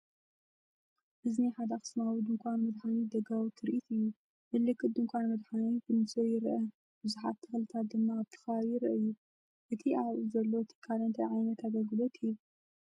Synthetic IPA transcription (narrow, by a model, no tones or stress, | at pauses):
ʔɨzniħad̪axɨ̥smawid̪ɨŋkʷʰʼanmɨd̪ħanid̪ɐɡawit̪ʰːɨɾʔit̪ʰɨjːu | mɨlːɨkːɨt̪̚d̪ɨŋkʷʰʼanmɨd̪ħanikʰɨnɨzojɪɾʔɐ | bɨzuħat̪ʰːɨxlɨt̪ʰat̪̚d̪ɨmːaːβt̪ʰɐ̥xɐβaβjiɾɐʔɨjːu | ʔɨt̪ʰiʔaβʔuzɐlːot̪ʰɨ̥kʰːalɐnt̪ʰɐjʕajnɐt̪ʰad̪ɐɡɨlot̪ʰɨjːu